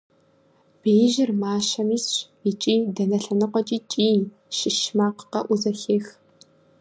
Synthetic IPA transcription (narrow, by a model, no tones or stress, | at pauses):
b̥ejʒɪrmaːʃɐmiːsɕʷ | it͡ʃʼiːdɐnɐɬɐnɨqʷɔt͡ʃʼiːt͡ʃʼiː | ʃɪʃmaːqə̥qɐʔʷuzɐɬeːx